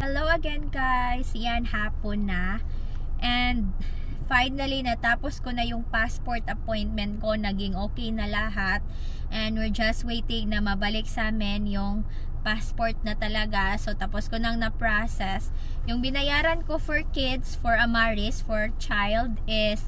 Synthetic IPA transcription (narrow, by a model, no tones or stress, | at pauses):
hɛlowɐɡɛnɡajsjanhaːponɐ | ʔɛnd̪̚ | fajnɐlinɐt̪aːposkonɐjʊŋpaspoɹt̪ɐpojnt̪̚mɛnt̪̚ko̞nɐɡɪŋʔoːkɛjnɐlɐɦat̪̚ | ʔɛnd̪wɪɹd͡ʒɐst̪̚wejt̪ɪ̃ŋnɐmɐbɐlɪk̚saːmɪnjʊŋ | paspoɹt̪̚nɐt̪ɐlɐɡaso̞t̪ɐposkonɐŋnɐpɹasɛs | jʊŋbɪnɐjaːɾɐnkofɔɹkɪd̪sfɔɹɐmaɹisfɔɹt͡ʃajld̪ʔɪs